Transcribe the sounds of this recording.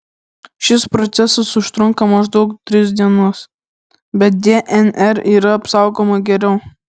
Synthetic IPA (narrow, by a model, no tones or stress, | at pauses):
ʃʲɪspɾɔt̪sʲɛsɐsʊʃt̪ɾʊŋkɐmɐʒd̪ɒʊkt̪ʲɾʲɪsd̪ʲiɛnoːs | bʲɛt̪̚d̪ʲeːʔɛnɛɾiːɾɐɐpsɑˑʊɡoːmɐɡʲɛɾʲɛʊ